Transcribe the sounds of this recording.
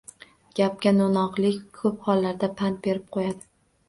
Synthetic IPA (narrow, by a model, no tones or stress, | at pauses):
ɡ̥ʲap̚kʲanonɒqlˠɪkʲkʰɵp̚hɒlˠːaɾd̪apʰant̪̚be̞ɾɪp̚qʰojad̪ɪ